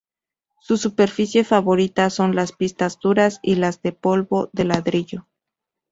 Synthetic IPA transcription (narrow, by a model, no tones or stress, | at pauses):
susupe̞ɾfisje̞faβo̞ɾit̪aso̞nlaspist̪azðuɾasilazðe̞po̞lβo̞ðe̞laðɾiʝo̞